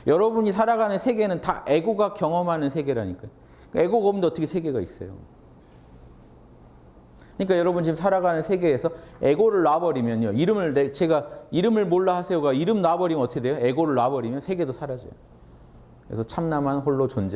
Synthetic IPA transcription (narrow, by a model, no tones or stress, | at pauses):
jʌɾʌbuɲisʰaɾaɡanɯnsʰe̞ɡe̞nɯntaʔeɡoɡakjʌŋʌmɦanɯnsʰe̞ɡe̞ɾaɲik͈ajo | kae̞ɡoɡamndoʌt͈ʰʌkʰesʰeɡe̞ɡaḭs͈ʌ̰jo̰ | kɯɲik͈ajʌɾʌbunt͡ɕimsʰaɾaɡanɯnsʰe̞ɡe̞ːsʰʌe̞ɡoɾɯɭːabʌɾimjʌnjoiɾɯmɯɭnet͡ɕe̞ɡaiɾɯmɯɭmoɭːahasʰeoɡaiɾɯmnabʌɾinʌtʰɯkʰedejoe̞ɡoɾɯɭːwabʌɾimjʌnsʰe̞ɡe̞dosʰaɾad͡ʑʌ̰jo | kɯɾḛsʰʌt͡ɕʰamnamɦanɸoɭːot͡ɕond͡ʑe